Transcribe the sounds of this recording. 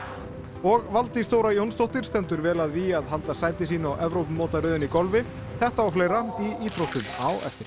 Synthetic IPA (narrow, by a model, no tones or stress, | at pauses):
ɔɣvalt̪ist̪oːwɾajownst̪owht̪ɪɾ̥st̪ɛnt̪ʏɾvɛːlaðviaðɦant̪asaːjt̪ɪs̬iːnɔʔɛvɾowpmɔːt̪aɾʏːðɪnikɔlvɪ | θɛht̪aawflejɾaiiːt̪ɾowht̪ʏmawɛ̰ft̪ɪɾ̥